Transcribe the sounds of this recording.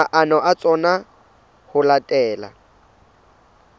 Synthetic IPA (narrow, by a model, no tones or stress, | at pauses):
aʔanɔʔat͡sʼɔna | hʊlatʼɛːla̰